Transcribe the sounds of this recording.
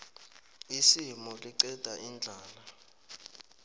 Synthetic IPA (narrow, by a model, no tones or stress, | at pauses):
isimɔliǃɛd̥ʱaʔind͡ɮʱaːla